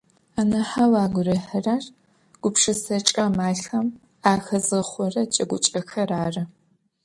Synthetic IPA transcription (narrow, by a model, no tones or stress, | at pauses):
aːnɐħawaːɡʷʊrɐħɐraːr | ɡ̥ʷʊpʂɐsɐt͡ʃʼɐmaːɬɐm | aːxɐzɨχʷɔrɐt͡ʃʼɐɡʷʊt͡ʃʼɐxɐraːrɐ